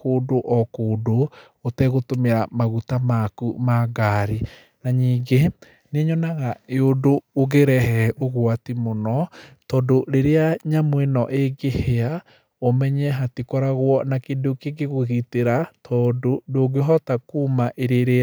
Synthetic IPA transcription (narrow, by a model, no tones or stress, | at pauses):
koːdoʔɔkoːdoː | tɛɣotomeɾamaɣutamakumaɡaːɾi | naɲiːɡe | neɲɔnaɣaeodoːɣeɾɛɦɛʔoɣwatimonɔtɔːdoɾeɾeaɲamwenɔʔeɡehea | omɛɲɛɦatekɔɾaɣwɔnakedokeɡeɣoɣiteɾatʰɔdodoɡeɦɔtakuːmaʔeɾeɾe